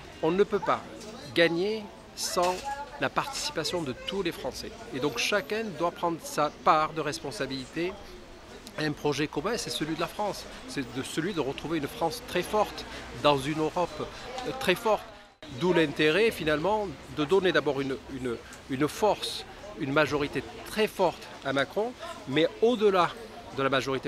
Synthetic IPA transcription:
ɔ̃nəpøpa̰ | ɡaɲe | sɑ̃lapaʁt̪i̥si̥pasjɔ̃d̪ət̪ulefχɑ̃sɛ̰ed̪ɔ̃kʃakɛ̃d̪wapχɑ̃d̪ʁəsapaʁd̪əʁɛspɔ̃sabilit̪e | ɛ̃pχɔʒɛkɔmɛ̃sɛsəlɥid̪əlafχɑ̃sː | ɛd̪əsəlɥid̪əʁət̪χuveynfχɑ̃st̪χɛfɔʁt̪d̪ɑ̃zynøʁɔpt̪χɛfɔʁt̪ | d̪ulɛ̃t̪eʁɛfinalmɑ̃d̪əd̪ɔned̪abɔʁynyn | ynfɔʁs | ynmaʒɔʁit̪et̪χɛfɔʁt̪ | amakχɔ̃mɛod̪əla | d̪əlamaʒɔʁit̪e

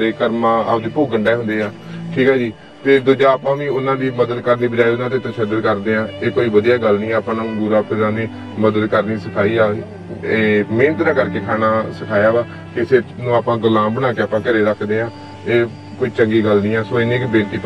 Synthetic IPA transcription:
ɾeːkəɾmãːa̰ːpd̪iːpoːɡəɳɖɛːɦʊnd̪eːaː | ʈʰiːkɦaːd͡ʒiː | t̪eːd̪ʊd͡ʒaːpãːʋĩːʊnãːd̪iːməd̪əd̪kəɾniːbəd͡ʒaːiʊnãːd̪eːt̪əʃəd̪əɾkəɾd̪eːãːeːkoːiːʋəd̪ijaːɡəlnĩːɛːapãnːɡʊɾaːpʰɪɾãːd̪iː | məd̪əd̪kəɾniːsəkʰaːiːaː | eːmẽːnt̪ɾãːkəɾkeːkʰaːnaːsəkʰaːjaːʋaː | kɪsenũːaːpãːɡəlãːbəɽ̃aːkeːaːpãːkəɾeːɾəkʰd̪eːãː | eː | koːiːt͡ʃəŋɡiːɡəlnĩːaːsõːɪneːkbeːʈiː

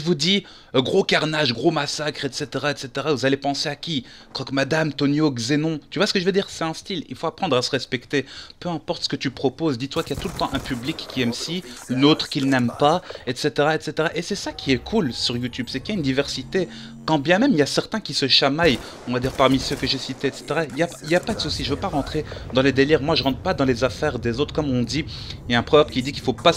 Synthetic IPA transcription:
ʒəvud̪i | ɡʁokaʁnaʒɡʁomasakχɛt̪set̪eʁaɛt̪set̪eʁavuzalepɑ̃seakʲi | kɔkmad̪amt̪ɔnjoɡzenɔ̃t̪yvwasə̥kəʒəvød̪iːʁsɛt̪ɛ̃st̪ilḭlfoapχɑ̃d̪ʁasəʁɛspɛkt̪epøɛ̃pɔʁt̪sə̥kət̪ypχɔpozd̪it̪ːwakijat̪ulət̪ɑ̃ʔɛ̃pyblikːiɛmsiynot̪χkʲilnɛmpaɛt̪set̪eʁaet̪set̪eʁaʔesɛsakʲʰiɛkʰulsyʁjut̪ybsɛkiljaynd̪ivɛʁsit̪e | kɑ̃bjɛ̃mɛmiljasɛʁt̪ɛ̃kʲisəʃamaj | ɔ̃vad̪iʁpaʁmisøkəʒesit̪eːt̪se̥t̪eʁailjailjapad̪əsusiʒəvøpaʁɑ̃t̪χed̪ɑ̃led̪eliʁmwaʒəʁɑ̃t̪χpad̪ɑ̃lezafɛʁd̪ezot̪χkɔmɔ̃d̪ijaɛ̃pχɔvapkʲid̪ikilfopa

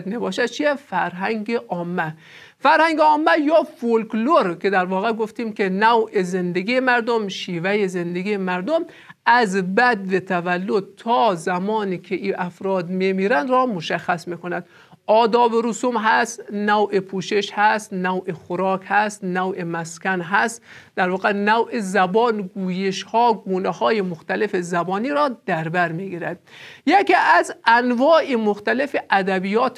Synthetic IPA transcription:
d̪mebɒːʃæd̪̚t͡ʃʰijefæɾɦæŋɡeʔɒːmːæ | fæɾhæŋɡeɒːmːæjɒːfolkloɾkʰed̪æɾvɒːɣeɡoft̪iːmkʲenæwʔezend̪eɡijemæɾd̪omʃiːvæjezend̪eɡiːemæɾd̪om | ʔæzbæd̪vet̪ʰævælːod̪̚t̪ʰɒːzæmɒːniːkʰeʔiːʔæfɾɒːd̪memiːɾænd̪ɾɒːmoʃæxːæsmiːkonæd̪ | ʔɒːd̪ɒːbeɾusumɦæst̪næwʔepʰuːʃeʃhæst̪næwʔexoɾɒːkʰhæst̪næwʔemæskʲænɦæst̪d̪æɾvɒːɣenæwʔezæbɒːnɡuːjeʃhɒːɡuːnehɒːjemoxt̪ælefezæbɒːniːɾɒːd̪æɾbæɾmiːɡiːɾæd̪̥̚jekʰiːʔæzʔænvɒːʔemoxt̪ælefeʔæd̪æbiːjɒːt̪ʰ

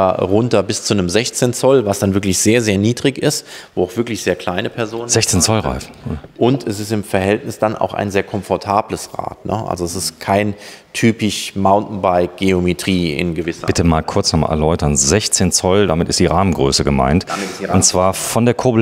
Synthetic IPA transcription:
aʁʊntɐbɪst͡sunəmzɛçt͡seːnt͡sɔlvasd̥anvɪɐklɪçz̥eːɐzeːɐniːdʁɪçɪstvoːaʊxv̥ɪɐklɪçz̥eːɐkʰl̥aɪnəpʰɛɐzoːnzɛçt͡seːnt͡sɔlʁa̰ɪf̩ʔʊntʰɛsɪstɪmfɛɐhɛltnɪsd̥anʔa̰ʊxa̰ɪnzeːɐkʰɔmfɔɐtʰaːbləsʁa̰ːtnə̰ʔa̰lzoɛsɪstkʰaɪn | tʰyːpɪçmaʊntn̩baɪk̚ɡ̥eometʁ̥iːɪ̰nɡəvɪsɐbɪtəmaːlkʰʊɐt͡snɔmʔɛ̰ɐlɔʏtɐnzɛçt͡seːnt͡sɔlda̰mɪtɪstd̥iːʁaːmənɡʁø̰ːsəɡəma̰ɪntmɪʊntt͡sv̥aːɐfɔndeːɐkʰoːbl

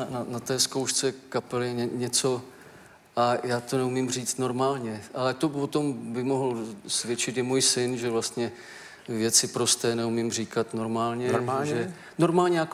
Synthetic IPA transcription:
nanat̪ɛːskowʃt͡sɛkapɛlɪɛɲɛɲɛt͡so̞ | ʔajaːt̪o̞nɛumɪmr̝iːt͡st̪no̞ɾmaːlɲɛʔalɛt̪opot̪o̞mbɪmo̞ɦl̩svjɛt͡ʃɪt̪ɪmuːjsɪnʒɛvlast̪ɲɛ | vjɛt͡sɪpɾo̞st̪ɛːnɛumɪmr̝iːkat̪no̞ɾmaːlɲɛaʒɛ | no̞ɾmaːlɲɛjak

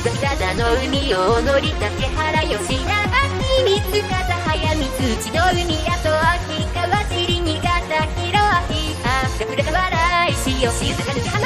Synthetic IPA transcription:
aɡat̪anoɯmʲionoɾʲit̪akehaɾajoɕinaɡakimit͡sɯkazaɦajamʲit͡sɨt͡ɕinoɯmʲiɾat̪oakikaβasiɾiɲiɡat̪akiɾoaki | kaakɯɾekaβaɾaiɕijoɕika

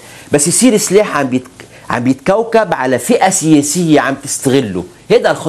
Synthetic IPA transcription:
bæsːjesiːɾɪslaːħʕambejet̪ | ʕa̰mbejet̪kæwkæbʕalæfɪʔæsejæːsejːæʕambet̪ɪ̥st̪æɣɪlːo̰ | heːd̪ælxɑ

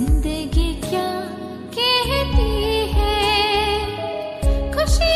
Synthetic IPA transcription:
ɪnd̪əɡikjaː | kɛɦɛt̪iɦɛ | kʰʊʃi

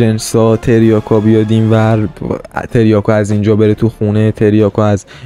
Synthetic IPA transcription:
ensɒːt̪ʰeɾijɒːkʰɒbijɒːd̪iːmvæ | t̪ʰe̞ɾjɒːkʰɔæzind͡ʒɒːbe̞ɾet̪ʰuxuːnet̪ʰe̞ɾjɒːkʰɔæz

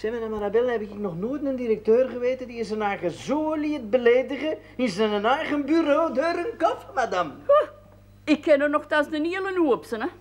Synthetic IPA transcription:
sɛmənamaɾabɛlənɦɛbɪkɪk̚nɔχnoːjtməndiɾək̚tøːrχəʋeːtədiɪsənɛjɣəzoːliət̚bəleːdəɣəɪsənənɛjɣənbyɾoːdøːɾənkɔfəmadam | ɪkːɛnərnɔχtasdəniələnuəpsənə

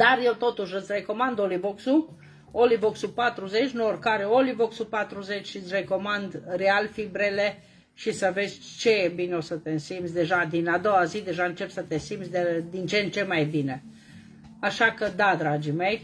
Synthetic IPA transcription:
d̪̥arje̞wt̪o̞t̪uʃɨt̪sʲre̞ko̞mand̪olivoksu | olivoksupat̪ɾuze̞t͡ʃʲnuorkaɾeolivoksupat̪ɾuze̞t͡ʃʲʃiɨt̪sʲre̞ko̞mand̪realfibɾele̞ | ʃisəve̞zʲt͡ʃe̞bineosət̪ensimb̪sʲd̪e̞ʒad̪inad̪o̞wazid̪e̞ʒaɨnt͡ʃe̞psət̪e̞simsʲd̪ed̪int͡ʃent͡ʃe̞majbine̞ | aʃakəd̪ad̪ɾad͡ʒime̞j

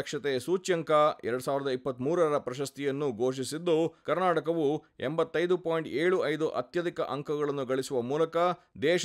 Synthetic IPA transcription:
ɐkʂɐt̪esuːt͡ʃjɐŋkɐɛɾɐɽusaːʋiɾɐd̪ɐipːɐt̪ːmuːɾɐɾɐpɾɐʃɐst̪ijɐnːuɡʱo̞ːʂ̬isid̪ːukɐɾnaːʈɐkɐʋu | embɐt̪ːɐjd̪upoːjɳʈeːɭuɐjd̪uʔɐ̰t̪jɐd̪ikɐ̰ʔɐŋkʰɐɡɐɭɐnːuɡɐɭisuʋɐmuːlɐkɐ | d̪ɛːʃ

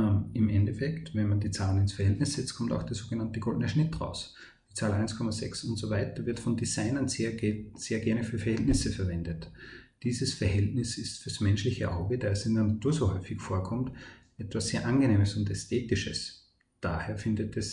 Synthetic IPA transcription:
ɪmʔɛndɛfɛktvɛnmandiːt͡saːlənɪnsfɛɐhɛltnɪssɛt͡stkʰɔmta̰ʊxd̥eːɐsoːɡənantəɡ̥ɔldənəʃnɪtʁa̰ʊs | d̥iːt͡saːlʔaɪnskʰɔmɐzɛksʊntsovaɪtɐvɪɐtfɔndizaɪnɐn | seːɐɡɛɐnəfyːɐfɛɐhɛltnɪsəfɛɐvɛndətd̥iːzəsfɛɐhɛltnɪsɪstfyːɐ̥smɛnʃlɪçəʔaʊɡəd̥aːɛsɪndəɐnatʰuːɐzohɔʏfɪçfoːɐkʰɔmt | ʔɛtv̥asːeːɐʔanɡəneːməsʊntɛstʰeːtɪʃəs | d̥aːheːɐfɪndətɛs

